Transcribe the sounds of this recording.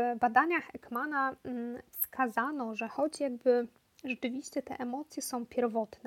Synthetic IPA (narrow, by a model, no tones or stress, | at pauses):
bad̪aɲaxɛkmanafskʰazanɔʐɛxɔd͡ʑjaɡ̚bɘ | ʐɛt͡ʂɘvʲiɕt͡ɕɛt̪ɛ̰ʔɛmɔt̪sʲjɛsɔ̃w̃pʲjɛɾvɔt̪nɛ